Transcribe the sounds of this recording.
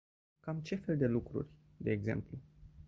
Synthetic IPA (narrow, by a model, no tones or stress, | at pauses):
kamt͡ʃe̞fe̞ld̪e̞lukɾṵrʲ | d̪e̞ːɡze̞̰mplu